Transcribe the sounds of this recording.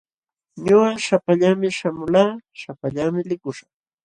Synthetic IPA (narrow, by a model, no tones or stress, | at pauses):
ɲʊɢɑʃapaʎamɪʃamʊlaːʃapaʎamɪlɪkʊʃaχ